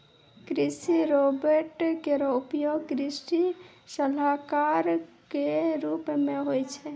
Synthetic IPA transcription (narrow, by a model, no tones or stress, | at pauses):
kɾisiɾobeɾʈkeɾɔupjoɡkɾisʈi | səlakaɾkeɾupmẽɦojt͡ʃʰɛ